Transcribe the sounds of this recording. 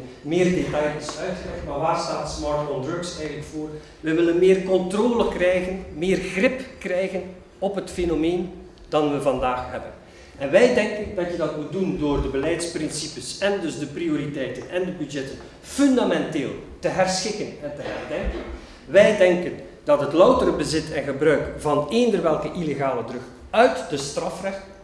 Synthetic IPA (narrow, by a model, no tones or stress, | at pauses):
mɪːrdetɑjɪsœɥtxəlɛxtmaːrʋaːrstaːtsmɑɹtfɔndɹøksɛjɣənləkfoːr | ʋɛjʋɪlənmɪːrkɔntroːləkrɛjɣənmɪːrɣrɪpkrɛjɣən | ɔpɦətfenomeːn | d̥ɑnʋəvɑndaːxɦɛbən | ɛnʋɛjdɛŋkəndɑtjədɑtmut̚dundoːrdəbəlɛjtsprɪnsipəsɛndɵzdəprioɾitɛjtənɛndəbydd͡ʒɛtən | fɵndamɛnteːlˠtəɦɛrsxɪkənɛntəɦɛrdɛŋkən | ʋɛjdɛŋkən | dɑtɦətlʌwtəɾəbəzɪtʰɛnɣəbrœɥkv̥ɑneːndərʋɛlˠkəʔileɣaːlədrɵx | œɥtdəstrɑfrɛxt